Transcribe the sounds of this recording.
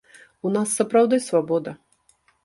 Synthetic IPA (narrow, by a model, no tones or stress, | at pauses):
unasːɐpɾawd̪ɨjsvabɔd̪ɐ